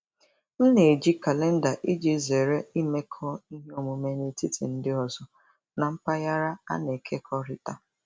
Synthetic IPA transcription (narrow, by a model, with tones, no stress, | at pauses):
n̩˦ne˨d͡ʒi˦ka˨le˦n̩˦da˨ʔi˦d͡ʒi˦ze˨ɾe˦i˦me˦kʰɔ˦i˦ɦe˦o˨mu˨me˨ne˨ti˦tʰḭ˨n̩˦dɪ˦ɔ˨zɔ˨ | na˨m̩˦pa˦ja˦ɾa˦a̰˦ne˨kʰe˦kʰɔ˦ɾɪ˦ta˦